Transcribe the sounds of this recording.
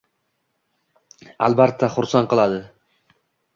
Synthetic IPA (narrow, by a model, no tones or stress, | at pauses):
a̰lbat̪ʰːaχʊɾsanqɨlˠad̪ɪ